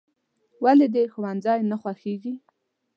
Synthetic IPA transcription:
waled̪exwanzɑjnaxwaxeɡi

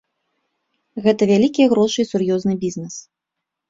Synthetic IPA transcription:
ɣɛt̪ɐvʲalʲikʲijɐɣɾɔʂɨisurjɔznɨbʲiznɛs

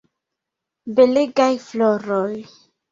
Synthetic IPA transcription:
beleɡajfloɾoj

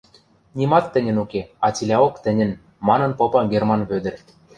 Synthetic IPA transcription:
nʲimɑt̪ːɘ̆nʲɘ̆nukeɑt͡silʲɑokt̪ɘ̆nʲɘ̆n | mɑnɤ̆npopɤ̆ɡermɑnβød̪ɘ̆rʲ

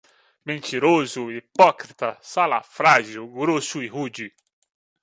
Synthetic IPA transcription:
mẽnt̪iɾozʊipɔkɾit̪ɐsala̰fɾaʒiwɡɾosʊihud͡ʒi

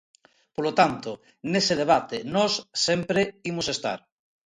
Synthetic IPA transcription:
polot̪ant̪o | neseð̞eβ̞at̪enɔsːempɾeimosest̪a̰ɾ

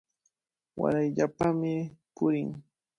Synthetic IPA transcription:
wa̰ɾajʎapamɪpʊɾɪŋ

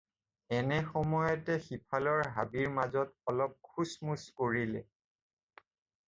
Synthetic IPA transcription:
ɛnɛxɔmɔjɔtɛxipʰalɔɹɦa̰biɹmazɔtɔlɔp̚kʰusmuskoɹilɛ

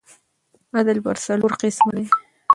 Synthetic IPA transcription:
ad̪alba̰ɾsaloɾqɪsmd̪e

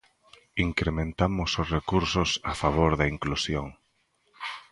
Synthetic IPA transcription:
iŋkɾemẽnt̪amʊsʊsrekuɾsʊsafaβ̞oɾðɐiŋklusjoŋ

